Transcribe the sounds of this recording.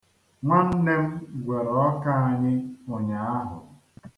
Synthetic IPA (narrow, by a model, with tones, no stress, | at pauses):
ŋʷa˦n̩˦le˦m̩˦ɡʷe˨ɾɔ˦ka˦a˦˨ɲɪ˦o˨ɲa˨a˦ɦʊ̰˨